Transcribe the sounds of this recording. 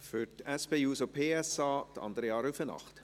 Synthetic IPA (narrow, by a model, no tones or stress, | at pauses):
fyɾtɛspeːuːsopʰeːɛsɑːt̪ɑ̰nd̪əɾəɑːɾufənɑ̰χt